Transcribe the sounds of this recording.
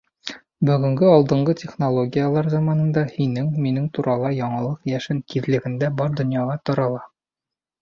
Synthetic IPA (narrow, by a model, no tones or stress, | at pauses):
bɵ̆ɡɵ̆ŋɡɘɒlˠd̪ɤ̆ɴɢɤtʲeχnolˠoɡʲijalˠɑɾzɑmɑnɤ̆nd̪ɑhinɘŋminɘŋt̪uɾʔɑlˠɑjɒɴɑlˠɤqjæʃɘŋk̪iðlɘ̆ɡɘ̆nd̪æbɒɾd̪ŏnjɑʁɑt̪ɒɾɑlˠɑ